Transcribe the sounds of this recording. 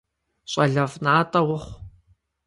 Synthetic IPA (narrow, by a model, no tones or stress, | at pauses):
ɕʼɐɮɐvnaːtʼɐwʊχʷ